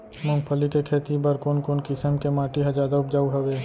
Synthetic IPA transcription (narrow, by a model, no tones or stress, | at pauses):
mʊ̃ŋɡpʰəlikekʰeːt̪ibəɾkoːnkoːnkɪsəmkemaːʈiɦɐd͡ʒaːd̪aʊp̚d͡ʒaːuɦɐʋeː